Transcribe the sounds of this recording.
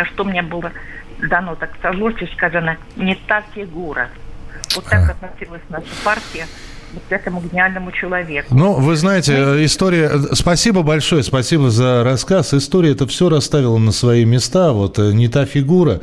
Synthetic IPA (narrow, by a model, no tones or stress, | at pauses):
ɐʂt̪omnʲebɨlˠəd̪ɐno̞t̪aksɐzlˠoʂt͡ɕɪskazənə | nʲɪt̪afʲɪɡuɾə̰ot̪ːakɐt̪nɐsʲilˠəsʲnaʂəpartʲɪjɪ | bʊt̪sʲakəmʊɡʲɪnʲɪalʲnəmʊt͡ɕɪlˠɐvʲe̞kʊnuvɨznajɪtʲɪɪst̪o̞ɾʲɪjəspɐsʲibəbɐlʲʂo̞jəspɐsʲibəzəɾɐskasɪst̪o̞ɾʲɪəɛt̪əfsʲɵɾɐst̪avʲɪlˠənəsvɐimʲɪst̪avo̞t̪nʲɪt̪afʲɪɡuɾə